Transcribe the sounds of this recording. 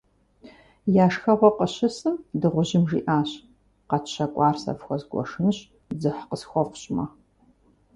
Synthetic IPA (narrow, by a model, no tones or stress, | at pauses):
jaːʂxɐʁʷɔqəɕɪsɨmdɨʁʷʊʑɪmʐiːʔaːɕ | qɐtɕɐkʷʼɑːrsɐ̰fxʷɔzɡʷɔ̰ʂɨnɨɕ | zɨħqəsxʷɔqʷʊɕʼmɐ